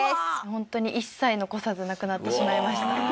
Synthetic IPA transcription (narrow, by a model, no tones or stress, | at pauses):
hõ̞nt̪o̞ɲ̟iʔisːaino̞ko̞sazɨnakɯ̟nat̪ːe̞ɕimaimaɕi̥t̪a